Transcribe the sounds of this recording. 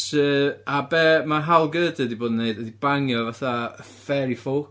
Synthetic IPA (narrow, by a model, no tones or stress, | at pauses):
səːabɛmaɦalˠɡəːdɨdiboːdnːeɨdədibaŋjɔvaθa | fɛɾifʊ